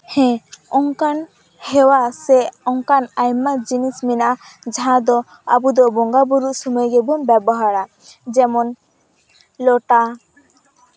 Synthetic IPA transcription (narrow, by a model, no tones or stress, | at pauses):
hɛ̃ɔŋkan | hɛwasɛɔŋkanajmad͡ʒinisminad͡ʒaɦãd̪ɔ | a̰bud̪ɔbɔŋɡabuɾuʔsɔmɔjɡɛbumbɛbɔɦaɾa | d͡ʒɛmɔn | lɔʈa